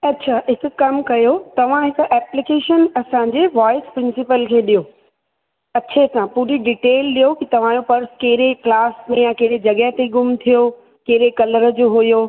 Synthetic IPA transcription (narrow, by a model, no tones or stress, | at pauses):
ɐtːɕʰaːɪk̆kɐmkɐjot̪ɐʋ̤ãɦɪkʔɛːplɪkeːʃənɐsãɲd͡ʑeːʋaːɪspɾɪ̃nsɪpəlkʰeːɗijoː | ɐɕʰesãpuːɾiɖɪʈeːlɗijokit̪ɐʋ̤ãːjopɐɾskeːɾeklaːsmẽjãkeːɾed͡ʑɐɡəɦt̪eɡʊmt̪ʰijo | keːɾekɐləɾəd͡ʑoːɦʊjoː